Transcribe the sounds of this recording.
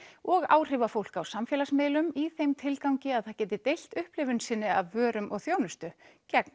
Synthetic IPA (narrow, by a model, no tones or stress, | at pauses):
ɔɣa̰ːwr̥ɪːvafowl̥kawsamfjɛlasmeːlʏmiθejmt̪ʰɪlkawɲcɪaðθaɾcɛːt̪ɪt̪ejl̥t̪ʏhplɪvʏnsɪnːɪavːœːɾʏmʔɔɣθjoːwnʏst̪ʏcɛkn